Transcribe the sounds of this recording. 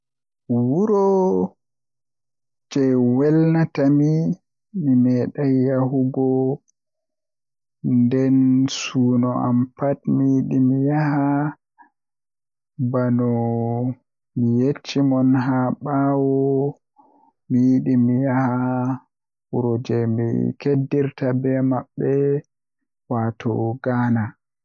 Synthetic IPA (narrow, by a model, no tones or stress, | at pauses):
wuɾɔ | d͡ʒɛwɛlnatami | mimɛɗajːahuɡɔ | ndɛnsuːnɔʔa̰mpatmijiɗimijaha | banɔ | mijet͡ʃːimɔnɦaɓawɔ | mijiɗimijaha | uɾɔd͡ʒɛmḭkedːiɾtabɛmaɓːɛ | watʰɔ̰ɡaːna